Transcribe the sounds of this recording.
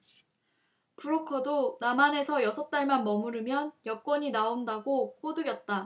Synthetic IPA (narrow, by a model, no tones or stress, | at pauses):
puɾokʰʌdonamane̞sʰʌjʌsʰʌt̚t͈aɭmanmʌmuɾɯmjʌnjʌk͈wʌɲinaondaɡok͈ʰodɯɡjʌt̚t͈a